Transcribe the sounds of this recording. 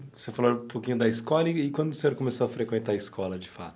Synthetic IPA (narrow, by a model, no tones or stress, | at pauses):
vosefaloɾũpokĩɲʊd̪ɐiskɔlɐiːkwɐ̃nd̪ʊːsẽɲoɾkõmesoɐfɾekwẽnt̪aɐɪskʰɔlɐd͡ʒɪfa̰t̪ʊ̥